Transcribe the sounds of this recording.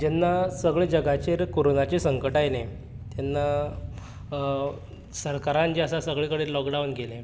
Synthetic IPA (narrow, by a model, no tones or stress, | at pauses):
d͡ʑɛnːasəɡɭed͡ʑəɡat͡ɕeɾkoɾonat͡ɕesəŋkəʈajlẽ | t̪janːa | səɾkaɾãnt͡ɕeəsasəɡɭekəɽeːlɔkɖawnɡelẽ